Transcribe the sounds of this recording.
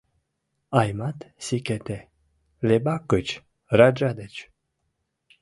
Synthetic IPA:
ajmat̪sikʲet̪e | lebakɨt͡ʃ | ɾad͡ʒad̪et͡ʃ

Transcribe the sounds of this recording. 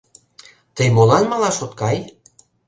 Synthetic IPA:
t̪əjmolɑnmɑlɑʃot̪kɑj

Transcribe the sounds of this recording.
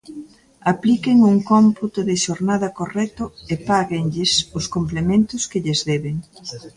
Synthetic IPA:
aplikeŋuŋkomput̪ʊðɪʃoɾnaðɐkorɛt̪ʊepaɣeŋʎɪsʊskomplemẽnt̪ʊskɪʎezðɛβeŋ

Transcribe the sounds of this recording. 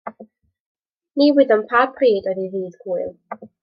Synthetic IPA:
niwɪðəmpʰapʰriːdɔðiviːðɡ̥uɨlˠ

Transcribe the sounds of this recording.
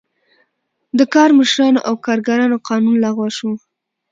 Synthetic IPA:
d̪əkɑɾməʃɾɑnoʔawkɑɾɡaɾɑnoqɑnunlaɣwaʃu

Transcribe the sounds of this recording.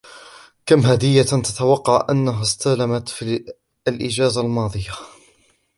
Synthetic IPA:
kamɦad̪ɪjːat̪at̪awɑqːɑʕʔanːaɦast̪alamat̪fi | alʔɪd͡ʒaːzalmɑːðˤɨja

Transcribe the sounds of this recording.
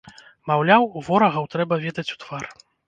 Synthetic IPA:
mawlʲawuvɔɾɐɣɐwt̪ɾɛbɐvʲɛd̪ɐt͡sʲu̥t̪v̥ar

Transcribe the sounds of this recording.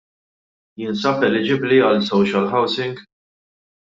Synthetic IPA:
jɪnsɐpɛlɪd͡ʒɪbliɐlsɔwʃɐlħɐwsɪŋɡ

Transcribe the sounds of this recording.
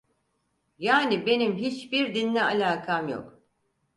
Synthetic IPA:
jaːnibe̞nimɦit͡ʃbiɾd̪inːɛalʲaːkʰamjo̰k

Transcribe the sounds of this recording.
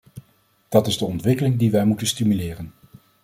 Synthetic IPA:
d̥ɑtɪzdəɔntʋɪkəlɪŋdiʋɛjmutənstimylɪːrən

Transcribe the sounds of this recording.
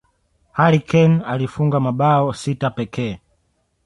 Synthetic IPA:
halikʰɛnalifuŋɡamaɓaɔsitapɛkʰɛː

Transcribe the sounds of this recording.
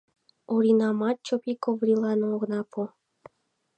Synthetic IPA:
oɾʲinɑmɑt̪̚t͡ɕopikovɾʲilˠɑnooɣnɑpʰo

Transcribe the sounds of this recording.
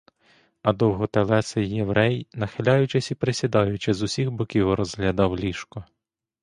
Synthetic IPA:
ɐd̪ɔwɦɔt̪elˠɛsɪjːeʋɾɛjnɐxɪlʲɑjʊt͡ʃesʲipɾesʲid̪ɑjʊt͡ʃɪzʊsʲiɣbɔkʲiwɾɔzɦlʲɐd̪ɑwlʲiʃkɔ

